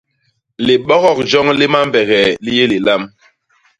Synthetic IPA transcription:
li˨ɓɔ˦ɣɔ˨k̚d͡ʒɔ˦ŋli˦ma˦mbɛ˨ɣɛ˨li˦je˦li˨la˦m

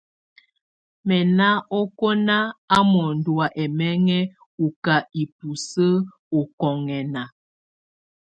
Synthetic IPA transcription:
mɛ˨na˦ʔɔ˦ko˦na˦a˦mɔ˨n˨dwa˨ʔɛ˨mɛ˦ŋɛ˦ | u˨ka˨i˨pu˨sə˦ | u˨kɔ˨ŋɛ˨na˨

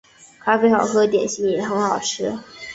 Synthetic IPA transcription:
kʰa˥fe˥ɪxɑ˨˩ʊkʰɤ˥t̪̬jɛ˨˩nɕi˥ŋjɛ˨˩˥xə˧˥ŋxɑ˨˩ʊʈ͡ʂʰɻ̩˥

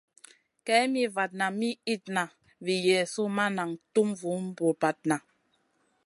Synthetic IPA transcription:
kɛ˨˦mi˦va˨t̚na˨mi˦i˦˨t̚na˨ | vi˨jɛ˨su˦ma˦na˨ŋtu˦mvu˨˦m̩˦bu˨ba˨t̚na˨

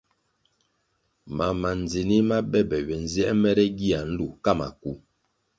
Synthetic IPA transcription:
ma˨ma˨n˨d͡zi˨ni˦ma˦bɛ˦bɛ˨ɥɛ˨n̩˦zi˦ɛ˦ʔmɛ˦ɾɛ˦ɡi˦a˨n̩˦lu˨ka˦˨ma̰˨ku˦

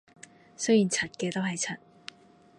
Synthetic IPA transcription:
sɵ˥ɥjiː˨˩nt͡sʰɐ˨˩t̚kɛː˧t̪o˥wɦɐ˨jt͡sʰɐ˨˩t̚

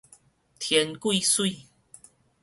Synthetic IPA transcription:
t̪ʰjɛ˨˦nkwi˥˧swi˥˨

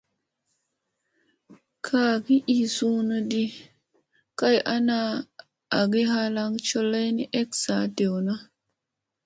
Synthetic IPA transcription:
kʰa˨ɡi˦ʔi˨su˦no˦di˦ | ka˦jʔa˦naː˦˨ | ɡi˦ɦa˦la˦ŋt͡ʃo˦la˦jni˦ʔe˦ksa˨te˨wna˦

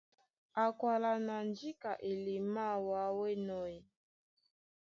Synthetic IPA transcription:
a˨kwa˨la˨na˨nd͡ʒi˦ka˨ʔe˨li˨ma˦˨wa˨˦wɛ˦nɔ˦ji˨

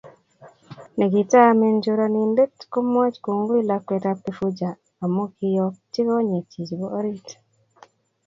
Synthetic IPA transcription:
ne˨ɡi˨ta˦me˨ɲd͡ʒu˦ɾa˨ni˨mbe˦tko˦mo˦t͡ʃku˨ŋɡu˦i˦lakwe˨tapːi˨fu˦d͡ʒaː˨ | mu˦ki˦jɔ˦ti˦ɣo˦ɲe˨tʰi˨d͡ʒi˨βo˦o˦ɾi˦tḁ

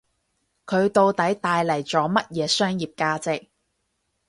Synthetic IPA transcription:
kʰɵ˨˧ɥt̪o˧wt̪ɐ˨˥jt̪aː˧jlɐ˨˩jt͡sɔː˨˥mɐ˥t̚jɛː˨˧sœː˥ŋjiː˨p̚kaː˧t͡sɪ˨k̚

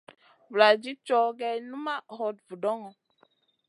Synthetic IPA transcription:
vla˨d͡ʒi˦t͡ʃɔ˦ɡɛ˦nu˦ma˦hɔ˨d̚vu˨dɔ˦ŋɔ˨

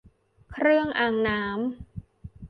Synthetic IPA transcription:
kʰɾɯ˥˩əŋʔaː˨˩ŋnaː˦˥m

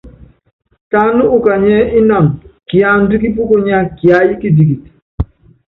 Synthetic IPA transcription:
ta˦nu˦u˨ka˨ɲɛ˦ʔi˦na˨mki˨a˨˦n̩˦du˦ki˦p̬u˦ko˦ɲa˦ki˨a˨˦ji˦ki˦di˨ki˨t

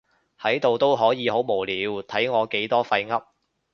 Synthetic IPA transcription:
hɐ˨˥jt̪o˨wt̪o˥wɦɔː˨˥jiː˨˧ho˨˥wmo˨˩wliː˨˧˥wt̪ʰɐ˨˥jŋɔː˨˧ke˨˥jt̪ɔː˥fɐ˧jŋɐ˥p̚

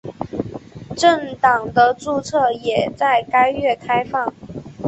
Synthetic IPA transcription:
ʈ͡ʂə˥˩ŋt̪ɑ˨˩ŋd̪ə˦t͡su˥˧t͡sʰɤ˥˩jɛ˨˩t͡sa˥˩ɪka˥ɪɥɛ˥˩kʰa˥ɪfɑ˥˩ŋ

